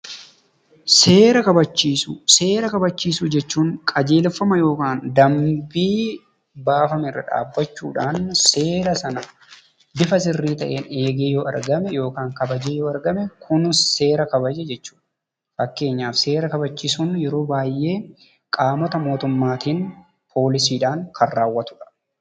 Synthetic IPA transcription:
seːɾɐkɐbɐt͡ʃːiːsuse̞ːɾɐkɐbɐt͡ʃːiːsʊd͡ʒɛt͡ʃːuːŋkʼɐd͡ʒe̞ːlfːɐmɐjo̞ːkaːnd̪ɐmbiː | baːfɐmɪrːɐ̰ᶑa̰ːbːɐt͡ʃːṵːᶑaːnseːɾɐsɐnɐ | bɪfɐsɪrːiːt̪ɐʔe̞ːneːɡeːjɔːʔɐ̰ɾɡɐmɛjo̞ːkaːŋkɐbɐd͡ʒeːjɔɐɾɡɐmɛkʰʊnse̞ːɾɐkɐbɐd͡ʒɛd͡ʒɛt͡ʃːuːᶑ | fɐkːe̞ːɲːaːfse̞ːɾɐkɐbɐt͡ʃːiːsunjɛɾo̞ːbaːjʔe̞ː | kʼaːmɔt̪ɐmo̞ːt̪ʊmːaːt̪iːn | pʰo̞ːlɪsiːᶑaːŋkʰɐrːaːwːɐt̪ʊ̥ᶑɐ̥

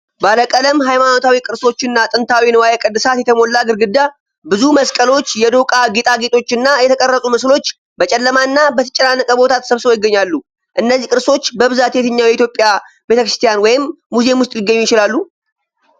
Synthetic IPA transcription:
baləkʼələmɦajmano̞t̪ʰawikʼɨɾso̞t͡ʃːɪnːat̪ʼɨnt̪ʰawinəwajekʼəd̪ːɨsat̪jɛt̪ʰəmo̞lːaɡɨɾɡɨd̪ːa | bɨzuməskʼəlo̞t͡ʃːjɛd̪o̞kʼaɡet̪ʼaɡet̪ʰʼo̞t͡ʃːɪnːajɛt̪ʰəkʼərːəsʼumɨslo̞t͡ʃː | bət͡ʃʼɛlːəmaɨnːabət̪ʰə̥t͡ʃʼːɛnanːəkʼəbo̞t̪ʰat̪səβsɨɾo̞jɪɡːəɲːalːu | ʔɨnːəzːikʼɨɾso̞t͡ʃːbəβɨzat̪jɛt̪ʰɨɲːawjɛit̪jo̞pʼːja | be̞t̪ʰəkɾɨst̪ʰijanwɔjɪmː | uze̞mwʊst̪ʼjɪɡːəɲːujɪt͡ʃɪlalːu

